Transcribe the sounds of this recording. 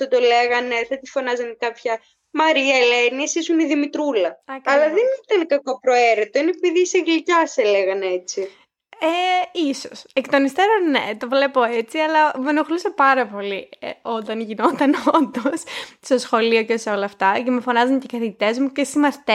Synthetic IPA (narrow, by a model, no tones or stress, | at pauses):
θɐt̪oleɣɐneθɐt̪ifo̞nɐzɐnkɐpçɐ | mɐɾiɐeleniesisuniðimit̪ɾulɐɐcɐlɐðenit̪ɐnkɐko̞pɾo̞eɾit̪oinepiðiseɣlicɐseleɣɐnet͡si | eisosekt̪o̞nist̪eɾonet̪ovle̞po̞et͡siɐlɐmenoxlusɐpɐɾɐpo̞lio̞t̪ɐnʝino̞t̪ɐnond̪ossosxo̞lioceseo̞lɐːft̪ɐcemufo̞nɐzɐncekɐθiʝit̪e̞zmucesimɐst̪e